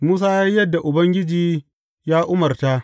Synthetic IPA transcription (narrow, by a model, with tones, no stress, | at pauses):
muː˦s̬aː˦ja˦jjɐ˦dːa˨ʔʊ˨bɐ˦ŋɡʲɪ˦d͡ʒiː˨ | jaː˦ʔʊ˦mɐ˨rta˦ʔ